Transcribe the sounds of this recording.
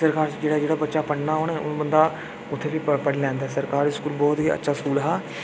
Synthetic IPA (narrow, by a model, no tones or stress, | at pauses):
səɾkaːɾd͡ʒeːɽaːd͡ʒeːɽaːbətːʃaːpəɽnaːɦoːnɛːʊnbənd̪aː | ʊt̪ʰːeːʋiːpəɽlɛ̃ːnd̪aːsəɾkaːɾiskuːlbɔːt̪ɦiːə̰tːʃʰaːskuːlɦaː